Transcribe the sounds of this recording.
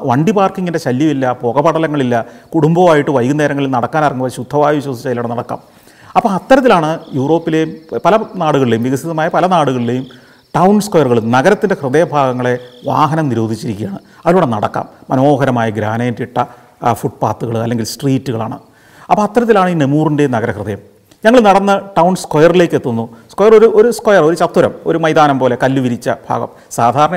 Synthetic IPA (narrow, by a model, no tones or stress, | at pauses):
ʋɐɳɖipaːrkiŋːinde̞ɕɐljɐmilːɐpo̞ːɣɐbɐɽɐlɐŋːɐɭilːɐkuɽumbɐʋaːjiʈːɨʋɐjkuneːɾɐŋːɐɭilnɐɽɐkːaːnɐrɐŋːuʋɐɕud̪ʱːɐʋaːjɐʋiɕwɐsi̥t͡ɕːɐjilːuɽenɐɽɐkːa̰ːm | ɐpːɐɐt̪ːɐɾɐt̪̬ːilaːɳɨjuːro̞ːpːile̞jumpɐlɐnaːɽuɣɐɭilejumʋiɣɐsiðɐmaːjɐpɐlɐnaːɽuɣɐɭilejum | ʈɐwnskojɐrɣɐɭumnɐɣɐɾɐt̪ːinde̞hrɨðeːbʱaːɡɐŋːɐɭe̞ʋa̰ːɦɐnɐmniɾo̞ːd̪ʱit͡ɕːiɾikʲːijaːɳɨ | ɐðiluːɽenɐɽɐ̰kːa̰ːmːɐno̞ːɦɐɾɐmaːjɐɡɾa̰ːnejntiʈːɐ | fuʈ̚pa̰ːt̪ːuɣɐɭɨɐ̰lːeŋɡilsʈriːtːuɣɐɭa̰ːɳɨ̰ | ɐpːoɐt̪ːɐɾɐt̪̬ːilaːɳiːnemuːrinde̞jnɐɣɐɾɐhrɨðɐjɐm | ɲɐŋːɐɭnɐɽɐnːɨʈɐwnskojɐrile̞ːkːet̪ːunːuskojɐroɾuʔoɾuskojɐro̞ɾut͡ɕɐt̪ːuɾɐmo̞̰ɾumɐjd̪aːnɐmpo̞ːle̞kɐlːuʋiɾit͡ɕːɐbʱa̰ːɡɐ̰m | saːd̪ʱaːɾɐɳɐ